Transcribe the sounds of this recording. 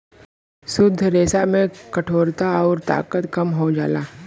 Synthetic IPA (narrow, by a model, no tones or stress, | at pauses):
sʊd̪ʱːɾeːsamẽkɐʈʰoːɾt̪aɔːɾt̪a̰ːkət̪kɐmɦod͡ʒa̰ːlaː